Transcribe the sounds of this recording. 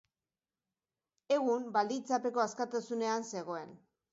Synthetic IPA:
e̞ɣumbald̪it͡sape̞ko̞askat̪asune̞anse̞ɣ̞o̞e̞n

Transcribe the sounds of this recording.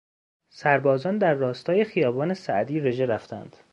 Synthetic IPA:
sæɾbɒːzɒːnd̪æɾːɒːst̪ʰɒːje̞xijɒːbɒːne̞sæʔd̪iːɾe̞ʒeɾæft̪æ̰nd̪̥

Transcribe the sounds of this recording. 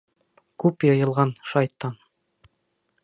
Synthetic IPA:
kʉpjɤ̆jɤ̆lˠʁɑnʃɑjt̪ːɑn

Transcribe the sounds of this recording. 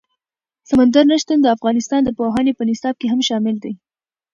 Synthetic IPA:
samand̪aɾnaʃt̪and̪əafɣɑnɪst̪ɑnd̪əpoɦɑnepənɪsɑb̚keɦamʃɑmɪld̪aj

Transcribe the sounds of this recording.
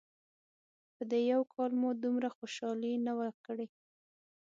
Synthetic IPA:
pəd̪ejawkʰɑlmud̪umɾaxoʃɑlinawəkəɽe

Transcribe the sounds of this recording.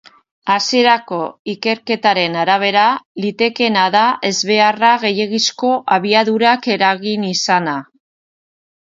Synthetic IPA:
asie̞ɾako̞ike̞ɾke̞t̪aɾe̞naɾaβ̞e̞ɾalit̪e̞ke̞naðaʔe̞zβe̞araɣe̞je̞ɣisko̞ʔaβ̞iaðuɾake̞ɾaɣinisana

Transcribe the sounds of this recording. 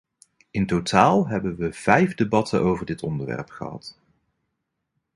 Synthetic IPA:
ɪntotaːlˠɦɛbənʋəv̥ɛjvdebɑtʰənʔowvəɹdɪtɔndəɹʋɛ̰ɹpχə̰ɦɑ̰t

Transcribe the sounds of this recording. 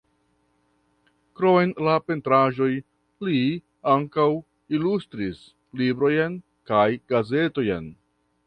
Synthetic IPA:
kɾo̞enlape̞ntɾaʒo̞j | li | aŋkaw | ilustɾis | libɾo̞jen | kajɡaze̞to̞jḛn

